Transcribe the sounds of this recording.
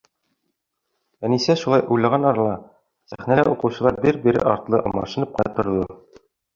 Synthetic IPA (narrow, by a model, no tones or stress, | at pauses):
ænisæʃulˠɑjʔujlˠɑʁɑnɒɾɑlˠɑ | sæ̰χnælæʔuqɤ̆wɕɤ̆lˠɑɾbiɾbiɾɘ̰ʔɒ̰ɾt̪lˠɤmɑ̰ʃɤ̆nɤp̚qɑjɑt̪ŏɾðɤ